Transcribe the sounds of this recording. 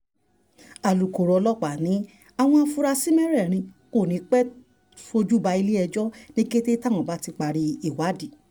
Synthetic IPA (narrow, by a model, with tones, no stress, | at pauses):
a˨lu˨ko˨ɾɔ˨˧lɔ˦k͡pa˨nĩ˨˦ | a˧˨w̃ɔ̃˧a˧fu˧ɾa˧si˦mɛ̃˦ɾɛ˦˨ɾ̃ĩ˧ko˦˨nĩ˨˦k͡pɛ˦ | fo˧d͡ʒu˦˨ba˧i˧le˦ɛ˧d͡ʒɔ˦nĩ˦ke˦te˦tã˦˨ɔ̃˨ba˦ti˧k͡pa˧ɾi˧i˨wa˨˦di˨